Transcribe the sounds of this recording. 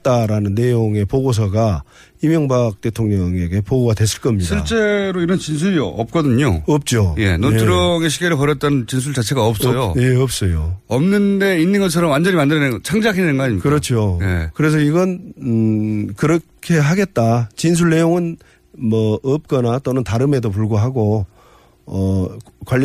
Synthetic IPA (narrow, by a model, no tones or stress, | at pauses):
t̚t͈aɾanɯnːe̞joŋe̞poɡos̬ʰʌɡa | imjʌŋbak̚t͈e̞tʰoŋɲʌŋe̞ɡe̞poɡoɡadwe̞s͈ʰɯ̥ɭk͈ʌmɲiɕʰdʰiɭt͡ɕ͈e̞ɾoiɾʌnt͡ɕins̬ʰuɾiʌp̚k͈ʌdɯɲo̰ʌp̚t͡ɕ͈oje̞̰notʰɯɾʌŋeɕʰiɡeɾɯɭpʌɾjʌt̚t͈anɯnt͡ɕins̬ʰuɭt͡ɕat͡ɕʰe̞ɡaʌp̚s͈ojoje̞ʌp̚s͈ʌjo̰ʌmnɯnde̞inːɯnɡʌt͡ɕʰʌɾʌmwand͡ʑʌɲimandɯɾinet͡ɕʰaŋd͡ʑakʰinnenɡʌaɲikɯɾʌt͡ɕʰojḛkɯɾe̞s̬ʰʌiɡʌn | kɯɾʌkʰe̞ɦaɡe̞t̚t͈at͡ɕins̬ʰuɭːe̞joŋɯn | mʌʌp̚k͈ʌnat͈onɯntaɾɯme̞dop̬uɭɡoɦaɡo | ʌkwaʎː